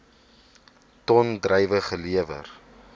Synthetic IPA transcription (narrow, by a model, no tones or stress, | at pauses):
tɔndrɛjvəχəliəvə̰r